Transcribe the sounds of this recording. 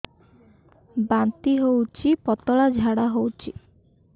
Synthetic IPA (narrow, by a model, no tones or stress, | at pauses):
bant̪iɦowt͡ʃʰipɔt̪ɔɭad͡ʒʱaɽaɦowt͡ʃʰi